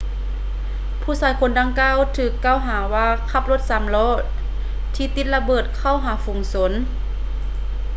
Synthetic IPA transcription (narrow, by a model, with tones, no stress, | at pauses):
pʰuː˧˩saː˨˦jkʰo˧˦nda˧ŋkaː˧˥˨wt̪ʰɯː˨˩kːaː˧˩˨wɦaː˩˦waː˧kʰa˧˩p̚lo˧˥t̪̚sa˨˦mlɔː˧˥˩ | t̪ʰiː˧t̪i˧t̪̚la˧bɤː˧˩t̪̚kʰa˧˩˨wɦaː˨˦fuː˨˩˦ŋso˧˦n